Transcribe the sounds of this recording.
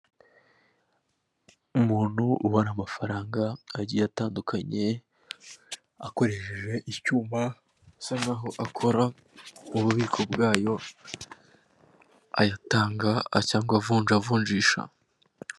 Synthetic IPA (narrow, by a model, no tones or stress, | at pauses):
umuːn̥huʔuwaɾamafaɾaːŋɡaːɟijataːndukʰaɲe̞ | ako̞ɾe̞ʃeʒe̞ʔicuːma | sanaːɦo̞ʔakʰo̞ɾa | uβuβiːkʰo̞bɡaːjo̞ | a̰jataːŋɡacaːŋɡoavuːnʒavuːɲʒiːʃa̰